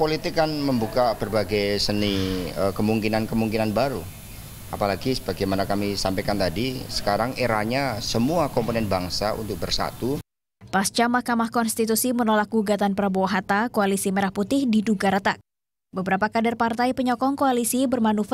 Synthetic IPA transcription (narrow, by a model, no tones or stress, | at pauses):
polit̪ɪkːanməmbukab̥ərbaɡajsəniəkəmuŋkinankəmuŋkinanbaɾu | apalaɡisəbaɡajmanakamisampajkant̪adisə̥kaɾaŋeɾahɲasəmuakɔmponɛnbaŋsaṵnt̪ʊk̚bərsa̰t̪u | past͡ʃamahkamahkɔnst̪it̪usimənolak̚ɡuɡat̪anpəɾabuwaɦat̪akoalisiməɾahput̪ɪhdiduɡaɾət̪ak̚ | bəbəɾapakadarpart̪ajpəɲɔkɔŋkoalisibərmanuf